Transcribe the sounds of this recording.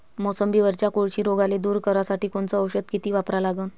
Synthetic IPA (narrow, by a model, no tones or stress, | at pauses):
mɔsəmbiːʋəɾt͡ɕjakoɭt͡ɕiːɾoɡaled̪uːɾkəɾasaʈiːkoɳt͡sɔːwɕəd̪̚kit̪iːʋapɾalaɡən